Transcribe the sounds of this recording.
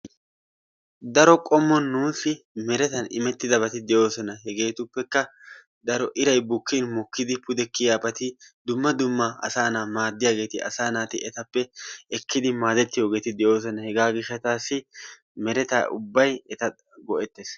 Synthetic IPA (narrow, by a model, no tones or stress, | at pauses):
d̪ɐɾɔkʼɔmːɔnːuːsɪ | mɛɾɛt̪ɐnɪmɛt̪ːɪd̪ɐbɐt̪ɪd̪ɛjo̞ːsɔnɐɦɛɡe̞ːt̪ʊpːɛkːɐ | d̪ɐɾɔʔɪɾɐjbʊkːinmɔkːɪd̪ɪpʊd̪ɛkːɪjaːpʼɐt̪ɪd̪ʊmːɐd̪ʊmːɐɐ̰saːnaːmaːd̪ːɪjaːɡe̞ːt̪ɪɐ̰saːnaːt̪ɪʔɛt̪ɐpːɛɛkʰːɪd̪ɪmaːd̪ɛt̪ːɪjo̞ːɡe̞ːt̪ɪd̪ɛjo̞ːs̬ɔnɐhɛɡaːɡɪʃːɐt̪aːsːɪ | mɛɾɛt̪a̰ʔʊbːɐjɛt̪ɐ | ɡɔʔɛt̪ːes